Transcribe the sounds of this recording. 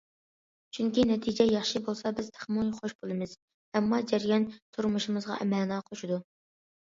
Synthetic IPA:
t͡ʃʰyŋkʲinɛt̪ʰid͡ʒɛjɑχʃibolˠsɑbɪz̥t̪ʰe̥χmonχoʃbolˠɨmɨz̥ | ɛmːɑd͡ʒɛɾjɑnt̪ʰuɾmuʃimɨzʁɑ̰ʔɛmɛlnɑqʰoʃud̪u

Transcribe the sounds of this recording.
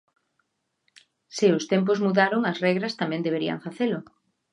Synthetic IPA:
sɪʊst̪emp̬ozmuðaɾoŋɐsrɛɣɾɐst̪amɛ̃nd̪eβeɾiɐ̰ŋfaθelʊ

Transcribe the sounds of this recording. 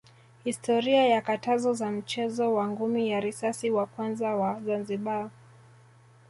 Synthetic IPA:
histɔɾiajakatazɔzam̩t͡ʃɛzɔwaŋɡumijaɾisasiwakwanzawazanziɓa

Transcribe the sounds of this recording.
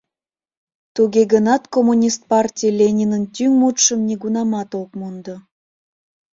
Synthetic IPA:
t̪uɣeɡənɑt̪komunʲist̪̚pɑrtʲijlʲenʲinənt̪ʲyŋmut̪ʃəmnʲeɡunɑmɑt̪okmund̪o

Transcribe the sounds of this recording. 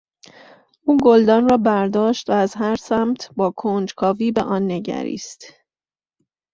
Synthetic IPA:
ʔuːɡold̪ɒːnrɒːbæɾd̪ɒːʃt̪væːzɦæɾsæːmt̪ʰbɒːkʰond͡ʒkʰɒːviːbeʔɒːnːe̞ɟæ̰ɾḭːst̪

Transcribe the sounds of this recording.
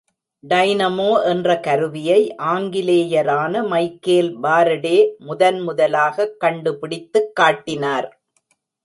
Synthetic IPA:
ɖɐɪnɐmoːʔɛndrɐkɐɾɯʋɪjɐɪʔaːŋɡɪleːjɐɾaːnɐmɐɪkːeːlbaːɾɐɽeːmʊðɐnmʊðɐlaːɣɐkːɐɳɖɯpɪɽɪt̪ːɯkːaːʈːɪnaːɾ

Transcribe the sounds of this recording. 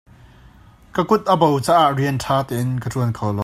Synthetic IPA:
kəkʊt̪̚ʔəbowt͡saːʔaʔriəntʰaːt̪ɛːɪnkətuənkʰɔlɔ

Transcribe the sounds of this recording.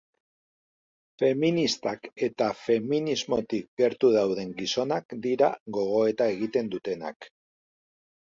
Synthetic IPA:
fe̞minist̪ake̞t̪afe̞minizmo̞t̪ik̚ɡe̞ɾt̪uðawðe̞ŋɡiso̞nakd̪iɾaɡo̞ɣ̞o̞e̞t̪ae̞ɣ̞it̪e̞nd̪ut̪e̞na̰k

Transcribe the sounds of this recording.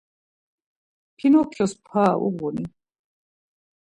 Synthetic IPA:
pʰinɔkʰjɔspʰaːʔṵʁuni

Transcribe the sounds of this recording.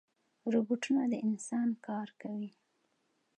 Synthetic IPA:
ɾubuʈunad̪əɪnsɑnkɑɾkawi

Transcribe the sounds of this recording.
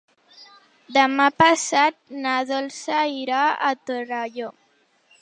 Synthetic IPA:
d̪amapasat̪̚naðolsaiɾaa̰t̪oraʎo

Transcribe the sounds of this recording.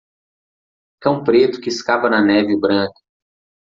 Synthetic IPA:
kɐ̃w̃pɾet̪ʊ̥kɪːskavɐnɐnɛvɪbɾɐ̃kɐ̥

